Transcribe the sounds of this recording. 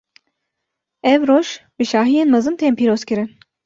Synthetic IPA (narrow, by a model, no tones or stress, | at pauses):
ɛvɾoʃbiʃaːɦijenmazɯnt̪ʰɛmpʰiɾoskʲiɾin